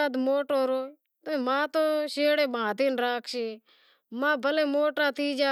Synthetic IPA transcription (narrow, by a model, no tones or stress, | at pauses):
ad̪moːʈoːɾoː | t̪omãːt̪oːʃeːɽeːɓãːt̪iːnɾaːkʰʃeː | mãːbʱəleːmoːʈaːt̪ʰiːd͡ʒaː